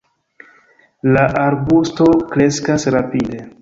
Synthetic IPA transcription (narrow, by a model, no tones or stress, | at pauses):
laʔaɾbusto̞kɾe̞skasɾapide̞